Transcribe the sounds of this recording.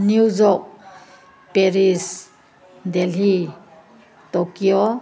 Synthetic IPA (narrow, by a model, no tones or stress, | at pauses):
nuzɔk̚ | peɾis | deli | tɔkiɔ